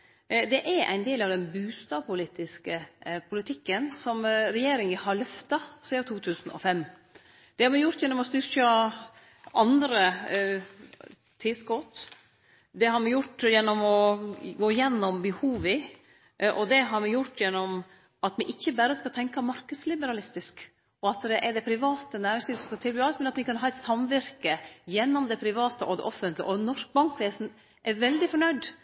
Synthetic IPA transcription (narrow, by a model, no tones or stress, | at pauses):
d̪ɛʔæɾʔæ̰ɪnd̪eːlɑʋd̪ɛnbʉːst̪ɑːpʊliːt̪ɪskəpʰʊlɪt̪ʰɪkːənsɔmɾɛjeːɾɪŋəhɑɾɭœft̪ɑsiːd̪ɑt̪ʰuːt̪ʰʉːsən̩ɔ̰fɛmː | d̪̥ɛhɑɾmɪjʊɾt̪jɛnːɔmɔst̪ʏɾkɑ | ɑnd̪ɾə | t̪ʰɪskɔt̪ | d̪ɛhɑɾmɛjʊʈːjɛnːɔmɔɡoːɪjɛnːɔmbəhuːʋɪ | ʔɔd̪ɛɦɑɾmɪjʊʈːjɛnːɔm | ɑt̪mɛʔɪçːəbæːɾəskɑt̪ʰɛŋkɑmɑɾkəd̪slɪbəɾɑlɪst̪ɪsk | ɔɑt̪d̪ɛʔɛɖɛpʰɾɪʋɑːt̪ənæːɾɪŋsɪːləsɔmskɑt̪ʰɪlbyːɑt̪mɛnɑt̪mɪkɑnɦɑːɛɪt̪sɑmʋɪɾkəjɛnːɔmd̪ɛpʰɾɪʋɑːt̪əʔɔd̪ɛ̰ʔɔfənt̪lɪɡəʔɔnɔʂk̚bɑŋkʋeːsn̩ | ʔɛɾʋɛld̪ɪfɔɳœʏd̪